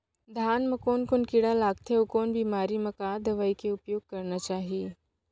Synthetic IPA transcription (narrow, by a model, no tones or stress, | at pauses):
d̪ʱaːnmɐ̃koːnkʊnkiɽalaːɡt̪ʰeokoːnbʱiːmaːɾimɐ̃kaːd̪ɐʋaːikeʊpjoːɡ̚kɐɾnat͡ʃaːɦiː